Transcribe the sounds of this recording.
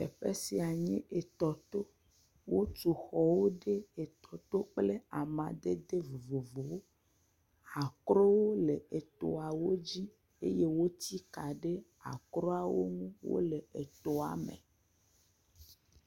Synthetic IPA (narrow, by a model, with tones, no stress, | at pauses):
ḛ˨ɸe˦si˨a˨ɲĩ˦ʔe˨t̪ɔ˨t̪o˦ | wo˦t͡ʃu˨xɔ˨wo˦ɖe˦e˨t̪ɔ˨t̪o˦k͡ple˦a˨mã˨d̪e˦d̪e˦vo˨vo˨vo˨wo˦ | a˨kɾo˦wo˦le˨e˨t̪o˨a˨wo˦d͡ʑi˦ | ḛ˦je˦wo˦t̪i˦ka˨ɖe˦ | a̰˨kɾo˦a˨wo̰˦ŋũ˦wo̰˦le˨e˨t̪o˨a̰˨mḛ̃˨